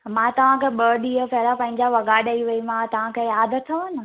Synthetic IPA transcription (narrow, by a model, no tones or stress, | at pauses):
mãt̪ɐʋ̤ãkʰeːɓəːɗiːəpɛɦɪlapɐ̃ɦɪ̃ɲd͡ʑaʋɐɡaːɗɐiʋɐimãt̪ɐʋ̤ãkʰeːjaːd̪ʱt̪ʰːɐɐnɪ̆